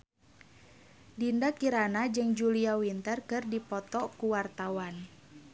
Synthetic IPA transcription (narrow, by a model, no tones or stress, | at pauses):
dindakiɾanad͡ʒɨŋd͡ʒuliawint̪ərkɨrdipɔt̪ɔkuwart̪awan